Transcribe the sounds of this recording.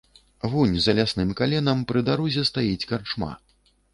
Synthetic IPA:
vunʲzɐlʲasnɨmkalʲɛnɐmpɾɨd̪aɾuzʲɛst̪ajit͡sʲkart͡ʂma̰

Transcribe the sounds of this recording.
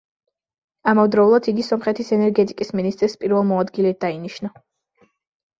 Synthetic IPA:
amɔvd̪ɾɔulˠad̪iɡisɔmχɛt̪ʰisɛnɛɾɡɛt̪ʼikʼisminist̪ʼɾspʼiɾvɛlˠmɔad̪ɡilɛd̪̥ainiʃna

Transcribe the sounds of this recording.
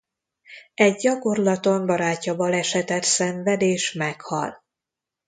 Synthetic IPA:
ɛɟɟɒko̞rlɒt̪o̞mbɒɾaːcːɒbɒlɛʃɛt̪ɛt̪sɛɱvɛd̪eːʃmɛkhɒ̰l

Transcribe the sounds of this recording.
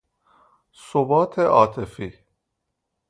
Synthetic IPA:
sobɒːt̪ʰeʔɒːt̪ʰefiː

